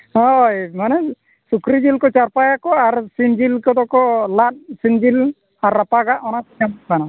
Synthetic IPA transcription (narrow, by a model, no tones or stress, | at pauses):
ɦɔjmanɛ | sukɾid͡ʒilkɔt͡ʃaɾpajakɔaɾsind͡ʒilkɔd̪ɔkɔlat̪̚sind͡ʒil | aɾːapaɡaʔɔnak̚iamsana